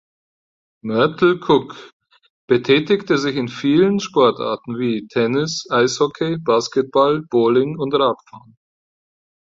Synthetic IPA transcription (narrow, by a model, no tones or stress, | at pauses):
mœɐtl̩kʰʊk | b̥ətʰɛːtɪktəzɪçɪnfiːlənʃpɔɐta̰ɐtn̩viːtʰɛnɪsʔaɪshɔkʰebaːskət̚b̥alb̥oːlɪŋʊntʁaːtfa̰ːn